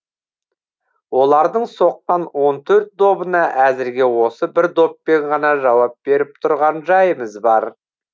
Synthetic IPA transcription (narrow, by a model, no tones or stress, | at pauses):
wo̞lˠɑɾd̪əɴso̞q̚t̪ɑnwo̞nt̪ʰɵɾt̪̚d̪o̞bənɑʔæzɪɾɡʲe̞wo̞səbɪɾd̪o̞p̚ːe̞ɴʁɑnɑʒɑwɑp̚be̞ɾɪp̚t̪ʰʊɾʁɑnʒɑjəməzbɑɾ